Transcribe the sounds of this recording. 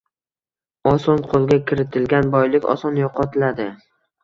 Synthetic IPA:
ɒsɒnqʰolˠɡʲakʲʰɪɾɪt̪ʰɪlɡʲanbɒjlɪkʲɒ̰sɒnjoqʰɒt̪ʰɪlad̪ɪ

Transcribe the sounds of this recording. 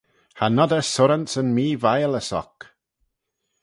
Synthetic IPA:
hanɔdəsʊɾəntsənmiːvajələsɔ̰k

